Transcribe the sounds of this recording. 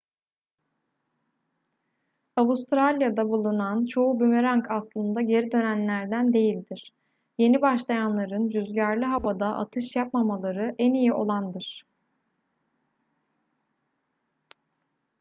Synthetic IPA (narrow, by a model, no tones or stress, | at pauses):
avust̪ʰɾalʲjad̪abulˠunant͡ʃʰo̞ubymeɾaŋkʰaslˠɯnd̪aɟe̞ɾid̪ø̞nænlʲæɾd̪ænd̪e̞jilʲd̪iɾ̥ | je̞nibaʃlˠajanlˠaɾɯnd͡ʒyzɟæɾlʲiɦavad̪aʔa̰t̪ʰɯʃjap̚mamalˠaɾɯʔænijiʔo̞̰lˠand̪ɯɾ̥